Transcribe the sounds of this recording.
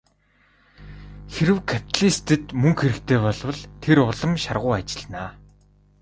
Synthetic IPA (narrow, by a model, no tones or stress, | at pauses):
xeɾɘ̆wkʰapʰʲi̥t̪ʰɮist̪ʰɘ̆t̪mɵŋxeɾɘ̆kt̪ʰeːpɔɮwə̆ɮt̪ʰeɾʊɮə̆mʃa̰rʁʊːat͡ɕɪ̆ɮnaː